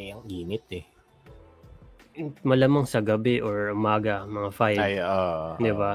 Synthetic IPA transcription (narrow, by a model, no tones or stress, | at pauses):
ɛɐŋɡiːnɪt̪̚ɛ | mɐlamaŋsɐɡɐbɛʔoɹʔʊmaːɡɐmɐŋafajjoːʔd̪ɪba